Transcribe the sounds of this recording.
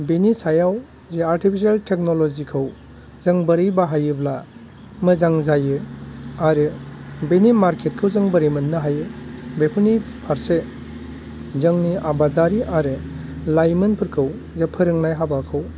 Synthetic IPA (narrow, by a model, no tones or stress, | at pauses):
benisajaw | zeaɾtʰipʰisaltʰek̚nolɔzikʰɯw | zɯŋbəɾɯjbaɦajɯbla | mɯzaŋzajɯaɾɯbenimaɾkʰet̚kʰɯwzɯŋbəɾijmɯnːɯɦajɯbepʰunipʰaɾse | zɯŋniʔabadaɾiʔaɾɯ | lajmɯnpʰɯɾkʰɯw | zepʰɯɾɯŋnajɦabakʰɯw